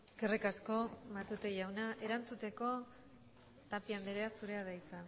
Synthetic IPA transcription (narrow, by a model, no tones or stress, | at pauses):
ɡerekasko̞mat̪ut̪eʝawnaʔe̞ɾant͡sut̪e̞ko̞ | t̪apiand̪eɾe̞asuɾe̞aðajka